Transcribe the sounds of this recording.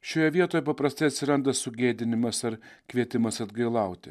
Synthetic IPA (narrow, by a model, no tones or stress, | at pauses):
ʃʲoːjɛʋʲiɛt̪oːjɛpɐpɾɐst̪ɐɪɐt̪ʲsʲɪɾɐnd̪ɐsʊɡʲeːd̪ʲɪnʲɪmɐsɐɾkʋʲiɛt̪ʲɪmɐsɐd̪ɡɐɪlˠɐˑʊt̪ʲɪ